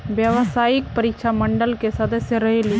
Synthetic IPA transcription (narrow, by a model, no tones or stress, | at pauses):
bjəʋsaik̚pəɾikʃʰaməɳɖəlkesəd̪əsjəɾəɦeli